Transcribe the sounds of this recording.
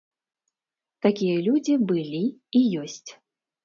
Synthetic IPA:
t̪akʲijɐlʲud͡zʲibɨlʲiːjɔsʲt͡sʲ

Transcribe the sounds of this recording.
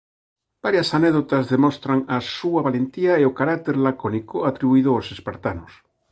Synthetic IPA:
b̥aɾjasaneðot̪azðemost̪ɾaŋasuaβalent̪iaeokaɾak̚t̪eɾlakonikoat̪ɾiβuiðoosespaɾt̪anos

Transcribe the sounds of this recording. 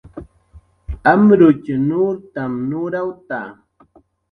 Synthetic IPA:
amɾʊt͡ʃnʊɾt̪amnʊɾawt̪a̰

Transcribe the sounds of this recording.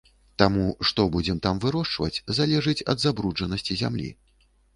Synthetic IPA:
t̪amuʂt̪ɔbud͡zʲɛmt̪amvɨɾɔʂt͡ʂvɐ̰t͡sʲzalʲɛʐɨt͡sʲɐ̰d̪zabɾud͡ʐɐnɐsʲt͡sʲizʲa̰mlʲḭ

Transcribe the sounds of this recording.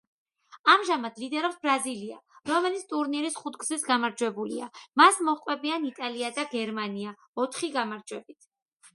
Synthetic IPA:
amʒamad̪lid̪ɛɾɔpsbɾazilia̰ɾɔmɛlit̪sʰt̪ʼuɾniɾisχut̪ʰɡzisɡamaɾd͡ʒwɛbuliamasmɔχqʼwɛbianit̪ʼaliad̪aɡɛɾmania | ɔt̪ʰχiɡamaɾd͡ʒwɛbit̪ʰ

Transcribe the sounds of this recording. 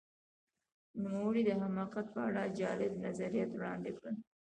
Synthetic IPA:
numawəɽid̪əɦamɑqat̪̚pəaɽad͡ʒɑlɪbnazaɾijɑt̪wɽɑnd̪ɪkɽəl

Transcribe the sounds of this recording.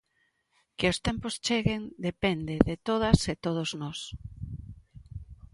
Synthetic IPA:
kɪost̪ɛ̃mpost͡ʃeɣend̪epend̪eðet̪oðɐset̪oð̞oznɔs

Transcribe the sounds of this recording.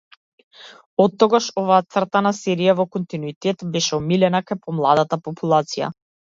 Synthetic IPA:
ɔt̪ːɔɡaʃɔvaːt̪sr̩t̪anasɛɾijavɔkɔnt̪inuit̪ɛt̪bɛʃɛɔmilɛnakajpɔmlˠad̪at̪apɔpulˠat̪sija̰

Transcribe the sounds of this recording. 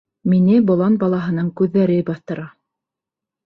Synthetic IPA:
minɘbŏlˠɑnbɑlˠɑɦɤ̆nɤɴkʉðːæɾɘbɑθt̪ɤ̆ɾɑ

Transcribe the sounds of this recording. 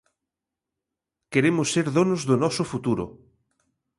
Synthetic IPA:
keɾemʊsːeɾðonozðʊnɔsʊfut̪uɾʊ̰

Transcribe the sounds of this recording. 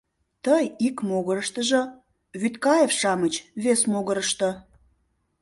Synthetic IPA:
t̪əjikmoɣəɾəʃt̪əʒə̆ | βyt̪kɑjefʃɑmət͡ɕβesmoɣəɾəʃt̪ə̆

